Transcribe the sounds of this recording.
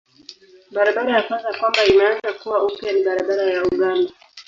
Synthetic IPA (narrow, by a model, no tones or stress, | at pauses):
ɓaɾaɓaɾahafazakwambainaanzakuwaupjaniɓaɾaɓaɾajauɠanda